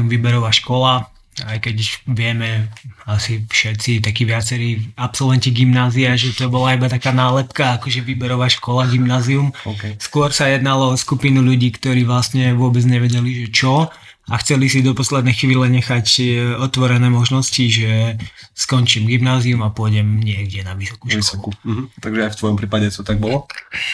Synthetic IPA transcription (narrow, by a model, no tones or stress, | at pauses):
mʋibɛɾɔʋaʃkɔla | ajkɛcʋɪɛmɛasifʃɛtt͡sit̪akiːʋɪat͡sɛɾiːapsɔlʋɛnciɡimnaːziaʒɛt̪ɔbɔlaibat̪akaːnaːlɛpkaːkɔʒɛʋibɛɾɔʋaʃkɔlaɡimnaːziumskʊɔɾsajɛd̪nalɔɔskupinuʎuɟiːkt̪ɔɾiːʋlast̪ɲɛʋʊɔbɛd͡zɲɛʋɛɟɛliʒɛt͡ʃɔ | axt͡sɛlisid̪ɔpɔslɛd̪nɛːxʋiːlɛɲɛxacɔt̪ʋɔɾɛnɛːmɔʒnɔsciʒɛskɔnt͡ʃiːmɡimnaːziumapʊɔɟɛmɲɪɛɡɟɛnaʋisɔ̥kuʃkɔɔkkut̪aɡʒɛaft̪ʋɔjɔmpɾiːpaɟɛt̪ɔt̪aɡ̚bɔlɔ